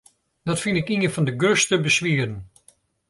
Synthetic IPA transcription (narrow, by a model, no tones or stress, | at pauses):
d̥ɑtfɪndɪkinənfɑndəɡøstəbəsʋiədən